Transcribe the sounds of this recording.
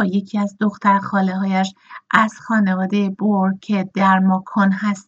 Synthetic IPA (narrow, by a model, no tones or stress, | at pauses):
je̞cʰiæzd̪o̞xt̪ʰæɾxɒːleɦɒːjæʃʔæz̥xɒːne̞vɒːd̪ejeboɾcʰe̞d̪̥æɾmɒːkʰonɦæst̪